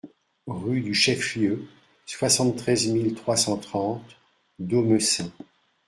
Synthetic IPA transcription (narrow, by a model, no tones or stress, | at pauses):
ʁyd̪yʃɛfjø | swasɑ̃t̪ːχɛzmilt̪χwasɑ̃t̪χɑ̃t̪ | d̪omøsɛ̃